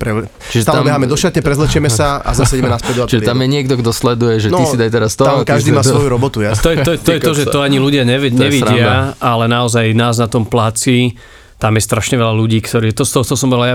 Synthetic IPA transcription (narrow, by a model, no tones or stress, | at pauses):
pɾɛ | t͡ʃiʒɛt̪aamɛɦamɛd̪ɔʃat̪ɲɛpɾɛzlɛt͡ʃɛmɛsaa̰zassɛɛmɛnaspɛd̪uat͡ʃiʒɛt̪amjɛɲɪɛɡ̚d̪ɔɡd̪ɔslɛd̪ujɛʒɛnisid̪ajt̪ɛɾast̪ɔakaʒd̪iːmaːsʋɔjuɾɔbɔt̪ujaɔjɛɔjɛt̪ɔjɛɔʒɛt̪ɔaɲiluɟɪaɲɛʋɛɲɛʋiɪaʔalɛnaɔzajnaːznat̪ɔmplat͡siː | t̪amjɛst̪ɾaʃɲɛʋɛlaluɟiːkt̪ɔɾiːt̪ɔst̪ɔɦɔt̪ɔɔsɔmbɔɾɛlaja